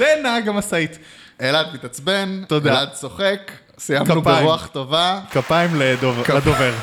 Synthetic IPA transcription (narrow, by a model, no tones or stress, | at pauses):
zenaaɡamasait | elad̪mitat͡sbe̞nt̪od̪alad̪so̞χe̞k | sijamubʁuaχt̪ovakapaimledovlad̪oveʁ